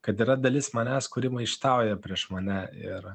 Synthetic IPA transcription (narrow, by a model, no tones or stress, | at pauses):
kɐt̪iːɾɐd̪ɐlʲɪsmɐnʲæskʊɾʲɪmɐɪʃt̪ɐʊjɛpʲɾʲiɛʃmɐnʲɛɪɾ